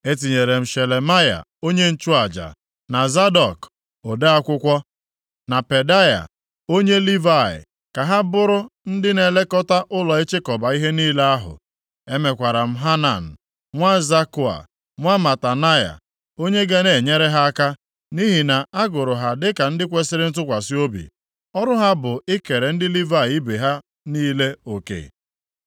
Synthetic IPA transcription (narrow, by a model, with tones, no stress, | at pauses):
e˦t̬i˨ɲe˨ɾe˨m̩˨ʃe˨le˨ma˦ja̰˨ | o˦ɲe˦n̩˦t͡ʃu˦a˨d͡ʒa̰˨ | na˨za˦dɔ˨k | o˨de˦a˦kʷʊ˦kʷɔ˦ | na˨pe˨da˦ja̰˨ | o˦ɲe˦li˦va˦˨ɪ̰˨ | ka˨ɦa˦bʊ˦ɾʊ˦n̩˦dɪ˦ne˨le˦kɔ˦ta˦ʔʊ˦lɔ˨e˦t͡ʃe˦kɔ˨ba˨i˦ɦe˦niː˦la˦a˦ɦʊ̰˨ | e˦me˨kʷa˨ɾa˨m̩˦ɦa˦na̰˨n̩˨ | ŋʷa˦za˦kʊ˦a̰˨ | ŋʷa˦ma˨ta˨na˦ja̰˨ | o˦ɲe˦ɡa˦ne˨ɲe˦ɾe˦ɦa˦a˦ka˦ | ni˦ɦi˨na˨a˦ɡʊ˨ɾʊ˨ɦa˨dɪ˦ka˨n̩˦dɪ˦kʷe˦sɪ˦ɾɪ˦n̩˦t̬ʊ˦kʷa˨sɪ˦o˦bḭ˨ | ɔ˦ɾʊ˦ɦa˦bʊ˨ɪ˦ke˨ɾe˨n̩˦dɪ˦li˦va˦ɪ˨˦i˦be˨ɦa˦ | niː˦le˦o˨kḛ˨